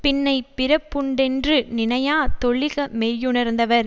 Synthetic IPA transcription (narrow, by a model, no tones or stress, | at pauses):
pɪnːɐɪpːɪɾɐpːʊɳɖɛndrɯnɪnɐjaːt̪ɔɭːɪɣɐmejːɯnɐɾnd̪ɐʋɐɾ